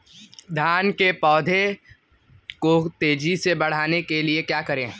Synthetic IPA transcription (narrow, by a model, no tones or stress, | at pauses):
d̪ʱaːnkepɔːd̪ʱe | kot̪eːd͡ʒisebɐɽ̤aːnekeliekjaːkɐɾẽː